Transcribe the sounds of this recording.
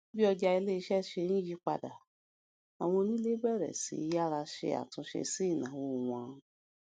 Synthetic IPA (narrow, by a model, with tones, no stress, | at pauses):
bi˦ɔ˧d͡ʒa˧i˧le˦i˧ʃɛ˦ʃe˧nĩ˦ji˦k͡pa̰˦˨da˨ | a˨w̃ɔ̃˧nĩ˦le˦bɛ˦˨ɾɛ̰˨sḭ˨˦ja˦ɾa˧ʃḛ˧a̰˨tũ˧˦ʃḛ˧si˦i˦˨nã˨˦wo˧˨w̃ã˧˦